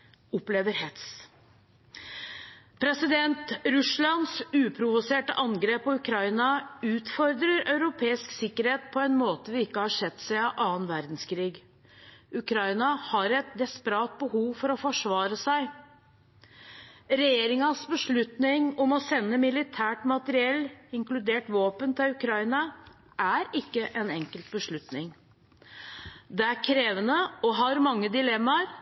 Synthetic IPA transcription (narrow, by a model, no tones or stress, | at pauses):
ɔpleːʋəɾhɛt̪s | pʰɾɛsɪd̪ɛnt̪ɾʉslɑnsʉːpʰɾʊʋʊseːʈəʔɑŋɡɾeːpɔʉkʰɾɑɪnɑʉːt̪fɔɾd̪ɾəɾœʉɾʊpʰeːɪsksɪkːəɾheːt̪̚pʰɔɛnmoːt̪əʋɪɪkːəhɑʂɛt̪ːsæɪɑʔɑːənʋæɾd̪n̩skʰɾiːɡ | ʉkʰɾɑɪnɑhɑɾɛt̪̚d̪ɛspəɾɑːt̪̚bəhuːʋfɔɾɔfɔʂʋɑːɾəsæɪ | ɾɛjeːɾɪŋɑsbəʂɭʉt̪nɪŋɔmɔsɛnːəmɪlɪt̪ʰæːʈmɑt̪əɾɪɛlːɪŋklʉd̪eːʈʋoːpənt̪ʰɪlʉkʰɾɑɪnɑ | ʔæɾɪkːəʔɛnɛŋkəlt̪̚bəʂɭʉt̪nɪŋ | d̪ɛæɾkʰɾeːʋənəɔɦɑɾmɑŋːəd̪ɪlɛmːɑɾ